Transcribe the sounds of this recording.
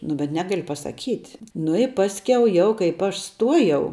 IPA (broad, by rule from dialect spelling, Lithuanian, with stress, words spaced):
nʊ bʲɛt ˈnʲæːɡɐlʲɪ pɐsɐˈkʲiːtʲ nʊ ɪ ˈpɑːsʲkʲɛʊ ˈjɛʊ kɐɪp ˈɐʃ ˈstuɔjɛʊ